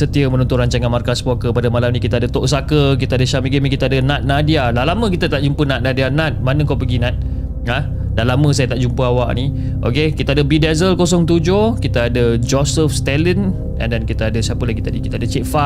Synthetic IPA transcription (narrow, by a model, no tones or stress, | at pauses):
sət̪iəmənɔnt̪ʊnɾaɲt͡ʃaŋanmarkaspokəpadəmalamnĩkit̪əadət̪oʔsakək̬it̪aadəʃamiɡemikit̪əadənat̪̚nadialalaməkit̪ət̪aʔd͡ʒumpənat̪̚nadianat̪̚manə̃ŋkopəɡinãt̪̚ | a | danlaməsajat̪aʔd͡ʒumpəawa̰ʔni | ʔo̰kekit̪əadəbidɛzəlkos̬ɔŋt̪ud͡ʒokit̪əadəd͡ʒɔsəfst̪ɛlən | a̰dankit̪əadəsapəlaɡit̪adikit̪əadət͡ʃeʔfa